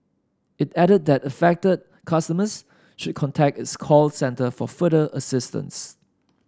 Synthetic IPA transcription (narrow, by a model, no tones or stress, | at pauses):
ɪtɛɾəd̚dɛtəfɛk̚təd̚ | kʰʌstəməs | ʃʊd̚kʰɔ̃ntʰɛk̚tɪtskʰɔlsɛ̃ntəfɔ̰fədəʔəsɪstə̰̃ns